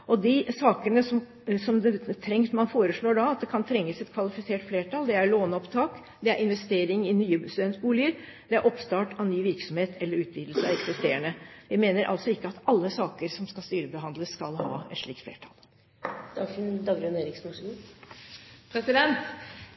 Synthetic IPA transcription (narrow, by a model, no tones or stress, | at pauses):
ʔɔd̪ɪsɑːkənəsɔm | sɔmd̪ɛt̪ʰɾɛŋsmɑnfoːɾəʂɭoːɖɑɑt̪̚d̪ɛkʰɑnt̪ʰɾɛŋːəsɛt̪kʰʋɑlɪfɪseːʈfleːʈʰɑːld̪ɛæɾɭoːnɔpt̪ʰɑːk | d̪ɛæɾʔɪnʋɛst̪eːɾɪŋɪnyːəbst̪ʉd̪ɛnt̪buːlɪəɾ | d̪̥ɛæɾʔɔpst̪ɑːʈɑʋnyːʋɪɾksɔmheːt̪ʰɛlːəɾʉːt̪ʰʋiːd̪lsəɑɛksɪst̪eːəɳəʋɪmeːnəɾʔɑ̰lsɔɪkːəɑt̪ɑlːəsɑːkəɾsɔmskɑst̪yːɾəbəɦɑnd̪ləsːkɑlhɑ̰ːɛ̰t̪ʂɭiːk̚t̪flḛːʈʰɑ̰l | d̪̥ɑɡsnd̪ɑːɡɾʉneːɾɪksnuː | pʰɾɛsɪd̪ɛnt̪